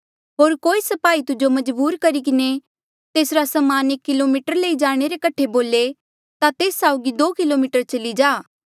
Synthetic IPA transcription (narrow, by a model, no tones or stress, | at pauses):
ɦoːɾkoːisɐpaːit̪ʊd͡ʒomɐd͡ʒbuːɾkɐɾikɪne | t̪eːsɾasɐmaːnekːɪlomiːʈəɾleːid͡ʒaːɽ̃eɾekɐʈʰeboːle | t̪at̪eːsːaːʊɡid̪oːkɪlomɪːʈəɾt͡ʃɐlid͡ʒaː